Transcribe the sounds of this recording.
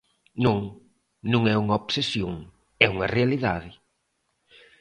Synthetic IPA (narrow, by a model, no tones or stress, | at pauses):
nõŋ | nũŋɛuŋɐopsesjoŋ | ɛuŋɐrealiða̰ðɪ